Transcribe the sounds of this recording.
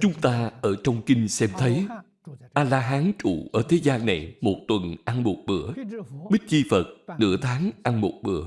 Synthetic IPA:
t͡ɕʊ˨˦ŋ͡mt̪aː˧ʔəː˧˩t͡ɕɔ˧wŋ͡mkï˧ŋ̟sɛ˧mt̪ʰə˨˦j | ʔaː˧laː˧ɦaː˨˦nt͡ɕṵ˧˩˨ʔəː˧˩t̪ʰe˨˦zaː˧nːa˨˩jmo˨˩t̚t̪wə˨˩nʔa˧nmo˨˩t̚ɓɨ̰˧˩əɓï˦˥t̟̚t͡ɕi˧fə˨˩t̚nɨ̰˧˥ət̪ʰaː˨˦ŋʔa˧nmo˨˩t̚ɓɨ̰˧˥ə

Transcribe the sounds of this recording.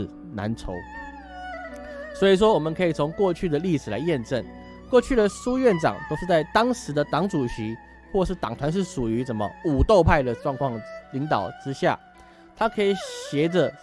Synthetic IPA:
na̰˧˦nʈ͡ʂʰo˧˦˥ʊ | swɔ˧˥i˨˩ʂ̬wɔ˦wɔ˨˩mə˨˦nkʰɤ˧˥i˨˩t͡sʰo˧˥ŋkwɔ˥˧t͡ɕʰy˥˩d̪ə˩li˥˩ʂɻ̩˨˩la̰˧ɪjɛ˥˧nʈ͡ʂə˥˩n | kwɔ˥˧t͡ɕʰy˥˩d̪ə˨ʂu˥ɥɛ˥˩nʈ͡ʂɑ̰˨˩ŋt̪o˥ʊʂɻ̩˥˧t͡sa˥˩ɪt̪ɑ˥ŋʂɻ̩˧˥d̪ə˨t̪ɑ˨˥ŋʈ͡ʂu˨˩ɕi˧˥ | xwɔ˥˧ʂɻ̩˥˩t̪ɑ̰˨˩ŋt̪ʰwa˧˦nʂ̬ɻ̩˥˩ʂu˨˩y˧˥ʂə˨˩nmə̰˨u˨˩t̪o˥˧ʊpʰa˥˩ɪd̪ə˩ʈ͡ʂwɑ˥˧ŋkʰwɑ˥˧ŋli˧˥ŋt̪ɑ˨˩ʊʈ͡ʂɻ̩˥ɕja̰˥˩ | t̪ʰa˥kʰə˧˥i˨˩ɕjɛ˧˥d͡zə˨

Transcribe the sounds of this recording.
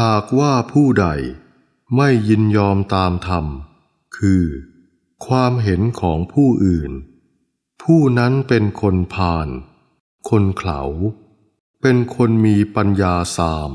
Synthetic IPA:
haː˨˩k̚waː˥˩pʰuː˥˩da˨˩j | ma˥˩jːi˧njɔː˧mt̪aː˧mt̪ʰa˧m | kʰɯː˧ | kʰwaː˧mɦe˩˦nkʰɔː˩˦ŋpʰuː˥˩ʔɯː˨˩n | pʰuː˥˩na˦˥npe˧nkʰo˧npʰaː˧n | kʰo˧nkʰla̰˩˦w | pe˧nkʰo˧nmiː˧pa˧njaː˧saː˧m

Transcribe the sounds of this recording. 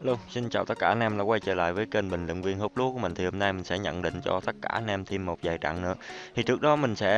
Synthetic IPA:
lu˧si˧nt͡ɕaː˨wt̪ə˦˥kaː˧˩˧nʔɛ˧mlaː˨˩kwa˧jt͡ɕəː˧˩la̰ː˧˨jvəː˨˦jke˧nɓï˨˩ŋ̟lḭ˧˨ŋ̟vi˧ənho˦˥p̚lu˨˦ku˧əmï˨˩ŋ̟t̪i˨˩ho˧mna˧jmï˨˩ŋ̟sɛ̰˧˥ɲə̰˧˨nɗḭ̈˧˨ŋ̟t͡ɕɔ˧t̪ə˦˥t̚kaː˧˩ʔnɛ˧mt̪ʰi˧mːo˨˩t̚zaː˨˩jt͡ɕa̰˧˨ŋnɨ̰˧˥ət̪ʰi˨˩t͡ɕɨ˦˥ək̚ɗɔ˨˦mï˨˩ŋ̟sɛ̰˧˥

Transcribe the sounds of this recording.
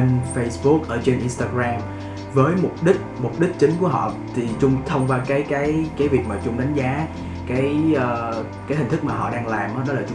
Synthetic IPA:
nfə˧jsɓʊ˦˥k̚ʔəː˧˩t͡ɕe˧nʔi˧nst̪aː˧ɣɾaː˧m | vəː˨˦jmʊ˨˩k͡p̚ɗï˦˥k̚mʊ˨˩k͡p̚ɗï˦˥k̟̚t͡ɕï˨˦ŋ̟ku˧˩əɦɔ̰˧˨t̪ʰi˨˩t͡ɕʊ˧ŋ͡mt̪ʰə˧wŋ͡mvaː˧kaː˨˦jkaː˨˦jkaː˨˦jvi˨˩ək̚maː˨˩t͡ɕʊ˧ŋ͡mɗa˨˦ŋ̟zaː˨˦ | kaː˨˦jʔəː˧˩ | kaː˨˦jhi̟˨˩t̪ʰɨ˦˥k̚maː˨˩ɦɔ̰˧˨ɗaː˧ŋlaː˨˩mʔəː˨˦ɗɔ˨˦laː˨˩t͡ɕ

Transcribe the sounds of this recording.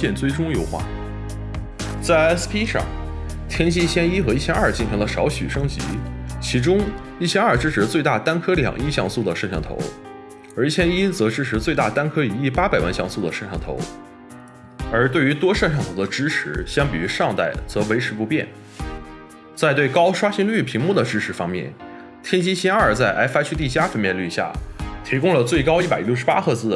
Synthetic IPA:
ɛ˥˧nt͡swe˥˩ɪʈ͡ʂʊ˥ŋjo˨˩ʊxwa̰˥˩ | t͡sa˥˩ɪɛ˥spʰi˥ʂɑ̰˥˩ŋ | t̪ʰjɛ˥nɕi˥ɕjɛ˥ni˥xɤ˧˥i˥˩ɕjɛ˥nɐ˞˥˩t͡ɕi˥˩nɕi˧˥ŋlə˧ʂɑ˧˥ʊɕy˨˩ʂɤ˥ŋt͡ɕḭ˧˥t͡ɕʰi˧˥ʈ͡ʂʊ˥ŋ | i˥˩ɕjɛ˥nə˞˥˩ʈ͡ʂɻ̩˥ʈ͡ʂʰɻ̩˧˥t͡swe˥˧ɪt̪a˥˩t̪a˥nkʰɤ˥ljɑ̰˨˩ŋi˥˧ɕjɑ˥˧ŋsu˥˩d̪ə˩ʂə˥˧nʂɑ˥˩ŋt̪ʰo̰˧˥ʊ | ə˞˧˥˩ɕʰjɛ˥ni˥t͡sɤ˧˥ʈ͡ʂɻ̩˥ʈ͡ʂʰɻ̩˧˥t͡swe˥˧ɪt̪a˥˩t̪a˥nkʰɤ˥i˨˩i˥˩pa˥pa˨˩ɪwa̰˥˧nɕjɑ̰˥˧ŋsu˥˩d̪ə˩ʂə˥˧nʂʰɑ˥˩ŋt̪ʰo̰˧˥ʊ | ə˞˧˥t̪we˥˩ɪy˧˥t̪wɔ˥ʂə˥˧nʂʰɑ˥˩ŋt̪ʰo˧˥ʊd̪ə˧ʈ͡ʂɻ̩˥ʈ͡ʂʰɻ̩˧˥ɕjɑ˥ŋpi˨˩y˧˥ʂɑ˥˧ŋt̪a˥˩ɪt͡sɤ˧˥we˧˥ɪʈ͡ʂʰɻ̩˧˥pu˥˧pjɛ̰˥˩n | t͡sa˥˧ɪt̪we˥˩ɪkɑ˥ʊʂwa˥ɕi˥ŋly˥˩pʰi˧˥ŋmu˥˩d̪ə˩ʈ͡ʂɻ̩˥ʈ͡ʂʰɻ̩˧˥fɑ˥ŋmjɛ̰˥˩n | t̪ʰjɛ˥nt͡ɕi˥ɕɛ˥nə˞˨˩t͡sa˥˩ɪʔa̰˧˥ɪfa˥t͡ɕʰy˥t̪i˥˩t͡ɕja˥fə˥˧nmjɛ˥˧nly˥˩ɕja̰˥˩t̪ʰi˧˥kʊ˥ŋlə˨˩t͡swe˥˩ɪkɑ˥ʊi˥˩pa˨˩ɪljʊʂɻ̩˧˥pa˥xɤ˥˧t͡sɹ̩˥˩

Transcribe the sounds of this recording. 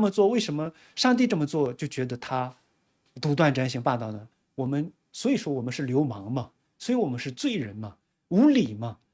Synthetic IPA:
mə˨˧t͡swɔ˥˧we˥˩ɪʂə˧˥nmə˧ | ʂɑ˥˧ŋt̪̬i˥˧ʈ͡ʂɤ˥˩mə˩t͡swɔ˥˩t͡ɕjo˥˩ʊt͡ɕɥɛ˧˥d̪ə˧t̪ʰa˥ | t̪u˧˥t̪wa˥˩nʈ͡ʂa˥nɕi˥ŋpɑ˥˧t̪ɑ˥˩ʊnə˩ | wɔ˨˩mə˦n | swɔ˧˥i˨˩ʂwɔ˥wɔ˨˩mə˧˦nʂɻ̩˥˩ljo˧˥ʊmɑ˧˥ŋmɐ˧ | swɔ˧˥i˧˥wɔ˨˩mə˦nʂɻ̩˥˧t͡swe˥˩ɪɻə˧˥nmɐ˧ | u˧˥li˨˩mɐ˦

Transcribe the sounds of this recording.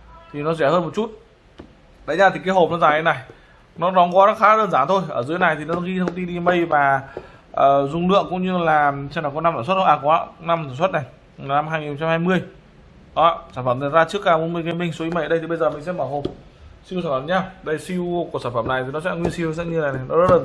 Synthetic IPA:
t̪ʰi˨˩nɔ˨˦zɛ˧˩həː˧nmo˨˩t̚t͡ɕu˦˥t̚ | ɗa̰˧˥˩ɲaː˧t̪ʰi˨˩kaː˨˦jɦo˨˩p̚nɔ˨˦zaː˨˩a˨˦jna˨˩j | nɔ˨˦ɗɔ˨˦ŋ͡mkɔ˨˦zɔː˦˥t̚xaː˨˦əː˧nzaː˧˩nt̪ʰo˧jʔəː˧˩zɨ˨˦əjna˨˩jt̪ʰi˨˩nɔ˨˦nɔ˨˦ɣi˧t̪ʰə˧wŋ͡mt̪i˧nɗi˧mə˧jvaː˨˩ | ʔəː˨˩zʊ˧ŋ͡mlɨ̰˧˨əŋkʊ̰˧˥ŋ͡mɲɨ˧laː˨˩t͡ɕna˨˩kna˧saː˧˩sw̚ʔaː˧˩kwaː˨˦˧na˧mt̪ʰaː˧˩swə˦˥t̚na˨˩j | na˧mhaː˧jŋi˨˩˨xo˧ŋ͡mt͡ɕa˧mhaː˧jmɨ˧əj | ʔɔ˨˩saː˧˩nfə˧˩na˨˩zaː˧t͡ɕɨ˦˥əkːaː˧˩mo˧˦mi˧˨kə˧mï˧ŋ̟so˨˦i˨˦mə˧˩˨ɗə˧t̪ʰi˨˩ɓə˧jzəː˨˩mï˨˩ŋ̟sɛ̰˧˥məː˧˩ɦo˨˩m | si˧wsaː˧˩fə˧˩˨ɲaː˧˩ɗə˧jsi˧wku˧˩k̚saː˧˩nfə˧˩mna˨˩jt̪i˨˩nɔ˨˦sɛ̰˧˥ŋwi˧ənsi˧wsa̰˧˥ŋɲ˧na˨˩na˨˩jnɔ˨˦zə˦˥t̚lə˨˩

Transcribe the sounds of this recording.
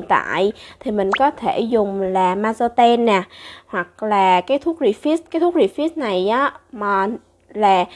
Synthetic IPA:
t̪a̰ː˧˨jt̪ʰi˨˩mï˨˩ŋ̟kɔ˨˦t̪ʰe˧˩zʊ˨˩ŋ͡mlaː˨˩maː˧zo˧t̪ɛ˧nːaː˨˩hwa˨˩k̚laː˨˩kaː˨˦jt̪ʰu˦˥ək̚zi˧˩fi˦˥st̚kaː˨˦t̪ʰu˦˥k̚zi˧˩fi˦˥t̚na˨˩jʔaː˨˦maː˨˩ | laː˨˩

